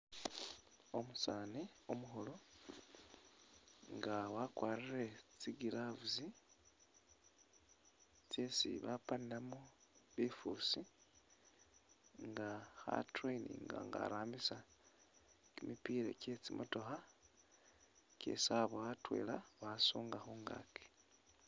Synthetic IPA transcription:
o̞musaːniomuxolo̞ | ŋɡawakwaːriret͡siɡilavuzi | t͡sesḭβapaniamuβifusi | ŋɡaxa̰treinḭŋɡa̰ŋɡa̰ɾaːmbisa | kimipiɾeke̞t͡simʔoto̞xa | kḛsaβoatwe̞̰ːlaβasuːŋɡaxuːŋɡa̰ke̥

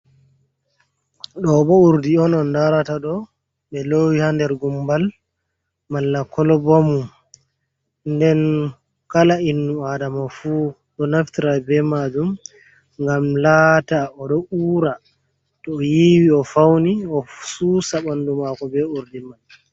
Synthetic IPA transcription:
ɗɔɓɔuɾdiɔnɔndaɾataɗɔ | ɓɛlowihandɛɾɡumbal | malːakɔlɔbomum | ndɛn | kalainːuadamafu | ɗɔnaftiɾabɛmad͡ʒum | ŋɡamlaːtaɔɗɔuːɾa | tɔːjiwiɔfawniɔsusaɓandumakɔbɛuɾdiman

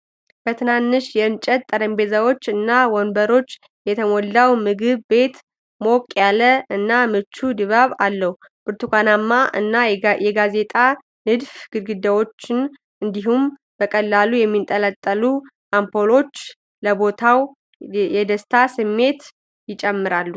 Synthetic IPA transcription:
b̥ət̪ʰɨnanːɨʃjɛɨnt͡ʃʼət̪t̪ʼːəɾəmbe̞zawo̞t͡ʃːɨnːawɔnbəɾo̞t͡ʃː | jɛt̪ʰəmɔlːawmɨɡɨβːe̞t̪ | mo̞kʼjaləɨnːamɨt͡ʃːud̪ɨβaβalːəhu | b̥ɨɾt̪ʰukʷanamːaɨnːajɛɡaze̞t̪ʼa | nɨd̪fɡ̥ɨd̪ɡɨd̪awo̞t͡ʃːɪn | ɨnd̪iɦum | bəkʼəlːalujɛmːint̪ʼələt̪ʼːəlu | ʔampʰo̞lo̞t͡ʃː | ləbo̞t̪ʰaw | jɛd̪əst̪ʰasɨmːe̞t̪ | jɪt͡ʃʼɛmːɨɾalːu

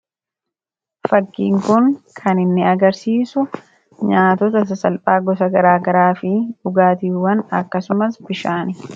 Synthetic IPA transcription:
fɐkːḭːŋkʊŋkʰɐnɪnːɪɐɡɐɾsiːsʊ | ɲaːt̪ɔt̪ɐs̬ɐsɐlpʼaːɡɔsɐɡɐɾaːɡɐɾaːfɪᶑʊɡaːt̪iːwɐnɐ̰kːɐsʊmɐsbɪʃaːnɪ

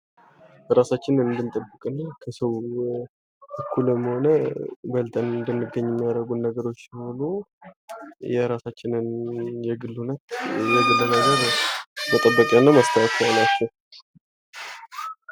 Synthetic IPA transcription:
ɾasat͡ʃːɪnɨnd̪ɨnt̪ʼəbːɨkʼɨnːakʰəsəw | ʔəkʰːuləmːho̞nəbəlt̪ʰʼənɨnd̪ənːɨɡəɲːɪmːijaɾəɡunːəɡəɾo̞t͡ʃːholu | jɛɾasat͡ʃːɪnɨnjɛɡɨlːhunət̪jɛɡɨlːɨnəɡəɾmət̪ʼəbːəkʼɛnːəməst̪ʰəjat̪ʰanat͡ʃːɛw

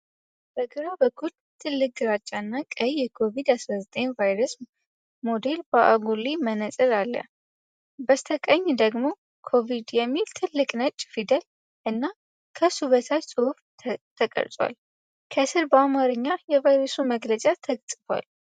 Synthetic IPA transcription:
b̥əɡɨɾabəkʰːul | t̪ʰɨlːɨk̚ɡɨɾat͡ʃʼːaɨnːakʼəjːɛkʰo̞vid̪asɾazət̪ʼe̞ɲvajɾəs | mo̞d̪e̞lbəʔa̰ɡulimənəsʼɨlalːə̰ | bəst̪ʰəkʼəɲːd̪əɡmo̞ | kʰo̞vid̪jɛmːilt̪ʰɨlːɨkʼnət͡ʃʼːfid̪əl | ʔɨnːa | kʰəsuβət̪ʰasʼɨhufʰ | t̪ʰəkʼə̰ɾt̪ʼwa̰l | kʰəsɨɾbəamaɾɨɲːajɛvajɾosuməɡlət͡ʃʼat̪ʰəɡt̪ʼɨfwa̰l

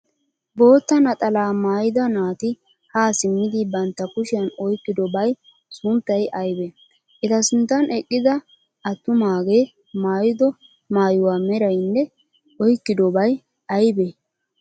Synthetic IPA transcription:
bo̞ːt̪ːɐnɐt̪ʼɐlaːmaːjɪd̪ɐnaːt̪ɪ | haːsɪmːɪd̪ɪbɐnt̪ːɐkʊʃɪjɐnɔjkːɪd̪ɔbɐj | sʊmt̪ːɐjʔɐjbɛ | ʔɛt̪ɐsʊnt̪ːɐnʔɛkʼːɪd̪ɐ | ɐt̪ːʊmaːɡe | maːjɪd̪ɔ | maːjʊwaːmɛɾɐjnːɛ | ɔjkːɪd̪ɔbɐj | ɐjbe

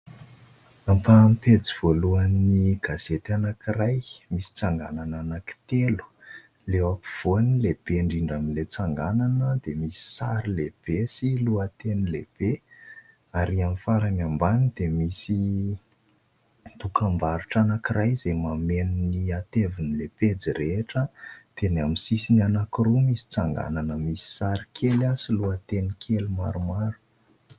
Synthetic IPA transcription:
amfampet͡siv̥oluaniɡ̥az̥et̪anakirajmisi̥t͡saŋɡanananaki̥t̪elu̥ | lewapi̥v̥onileb̥eɳɖ͡ʐiɳɖ͡ʐamilet͡saŋɡananəd̪̥emisi̥saɾileb̥esiluət̪enileb̥e | aɾiamifaɾanambanid̪emisi | t̪ukambaɾuʈ͡ʂanakiɾʔajzemamenniat̪evinileped͡ziɾeʈ͡ʂəd̪̥enaminsisinanakiɾumisi̥t͡saŋɡa̰nanəmisi̥saɾikʰelasiluat̪enikʰeluma̰ɾumaɾu̥

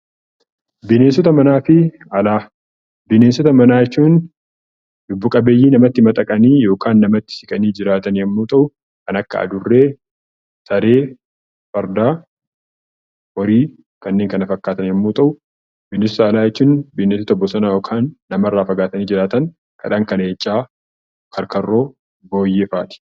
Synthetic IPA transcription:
bɪneːsɔt̪ɐmɐnaːfɪ | ɐlaː | bɪneːsɔt̪ɐmɐnaːjɛt͡ʃːuːn | d̪ʊbːʊkʼɐbe̞ːjːiːnɐmɐt̪ːɪmɐt̪ʼɐkʼɐniːjo̞ːkʰaːnːɐmɐt̪ːɪ̥sɪkʼɐniːd͡ʒɪɾaːt̪ɐnɐmːuːt̪ʼɐʔʊ | kɐnɐkːɐ̰ɐ̰d̪ʊrːe̞ː | sɐɾe̞ː | fɐɾd̪aː | wɔɾiː | kɐnːeːŋkɐnɐfɐkːaːt̪ɐnɐmːuːt̪ʼɐʔʊ | bɪnːɪsɔt̪ɐːlaːjɛt͡ʃːuːnbɪnːes̬ɔt̪ɐbːɔsɐnaːjo̞ːkʰaːnːɐmɐrːaːfɐɡaːt̪ɐniːd͡ʒɪɾaːt̪ɐn | kʼɐ̰ᶑaːŋkɐneːt͡ʃʼːaː | kʰɐɾkɐrːo̞ː | bo̞ːjːeːfaːt̪ɪ̥

